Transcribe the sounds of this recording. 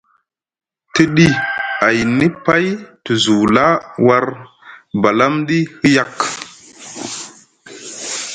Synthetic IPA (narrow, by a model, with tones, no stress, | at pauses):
ti˦ɗi˦a˨jni˦pa˦jti˨zu˨la˦wa˦ɾ | ba˨la˦mɗi˦hi˦ja˦k